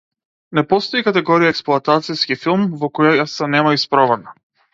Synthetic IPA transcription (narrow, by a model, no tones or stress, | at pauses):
nɛpɔst̪ɔikat̪ɛɡɔɾijaɛksplˠuat̪at̪siskifilˠmvɔkɔjajasɛnɛmaispɾɔvana